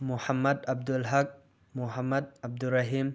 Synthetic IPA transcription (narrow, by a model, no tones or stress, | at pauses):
muhamːɐd̪ɐb̚dulɦɐk̚ | muɦamːɐd̪̚ɐb̚duɾɐɦim